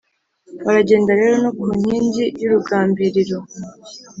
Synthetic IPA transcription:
βaɾaɟe̞ːndaɾe̞ːɾo̞nokuːɲ̥hiːɲɟijuɾuɡaːmbiɾiɾo̞

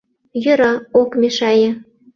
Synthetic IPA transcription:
jɤ̆ɾɑokmʲeʃɑjĕ

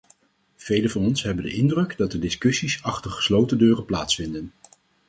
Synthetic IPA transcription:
v̥ejləvɑnɔnsɦɛbəndə̰ʔɪndrɵɡdɑt̚dədɪskɵsisɑχtərχə̥slowtədøːrəplaːtsfɪndən

